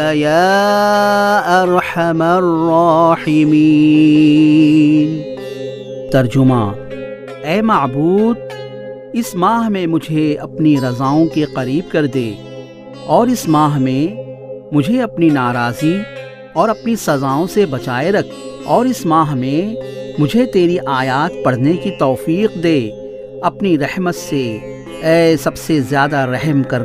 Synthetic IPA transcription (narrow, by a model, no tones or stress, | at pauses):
jaː | ɐɾħamɐrɔħɪmi | n | t̪ɐɾd͡ʒʊmã̰ː | ɛːmɐʕbuːd̪̚ | ɪsmaːɦmẽmʊd͡ʒʱeɐpniɾɐzaːõkeqɐɾiːb̚kɐɾd̪eː | ɔːɾɪsmaːɦmẽmʊd͡ʒʱeɐpninaːɾaːzi | ɔːɾɐpnisɐzaːõsebɐt͡ʃaːeɾɐkʰɔːɾɪsmaːɦmẽmʊd͡ʒʱet̪eːɾiʔaːjaːt̪̚pɐɽ̤nekit̪ɔːfiːqd̪eː | ɐpniɾɛhmət̪se | ɛːsɐbsezjaːd̪aɾɛɦmkɐɾ